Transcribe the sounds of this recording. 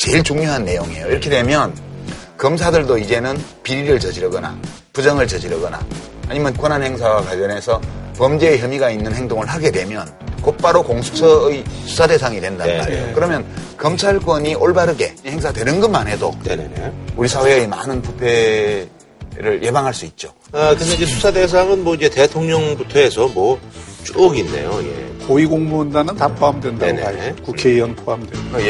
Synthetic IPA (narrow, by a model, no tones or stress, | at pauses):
t͡ɕe̞ɭt͡ɕuŋɲoɦanːe̞joŋḛjoiɾʌkʰe̞dwe̞mjʌnkʌms̬ʰadɯɭdoid͡ʑe̞nɯn | piɾiɾɯɭt͡ɕʌd͡ʑiɾʌɡʌna̰ | pud͡ʑʌŋɯɭt͡ɕʌd͡ʑiɾʌɡʌna̰a̰ɲimjʌnkwʌnɦanhe̞ŋs̬ʰawakaʎjʌnɦe̞sʰʌpʌmd͡ʑeːçjʌmiɡainːɯnhe̞ŋdoŋɯɭɦaɡe̞dwe̞mjʌn | kop͈aɾokoŋsʰu̥t͡ɕʰʌisʰu̥sʰade̞sʰaŋidwendanma̰ɾḭjo̰kɯɾʌmjʌnkʌmt͡ɕʰaɭk͈wʌɲiʔoɭbaɾɯɡe̞̰he̞ŋs̬ʰadwe̞nɯnɡɯmanɦe̞do̰nḛnḛn̰uɾisʰawe̞ima̰nɯnpupʰe̞ | ɾɯɭjʔe̞baŋɦaɭs͈uit̚t͡ɕ͈o | akɯesʌid͡ʑesʰusʰades̬ʰaŋɯnmwʌid͡ʑe̞te̞tʰoŋɲʌŋbutʰʌesʰʌmwʌt͡ɕ͈uɡinːe̞̰jojḛkoiɡoŋmundanɯntapʰoamdwendaenaekukʰeijʌnpʰoamdwe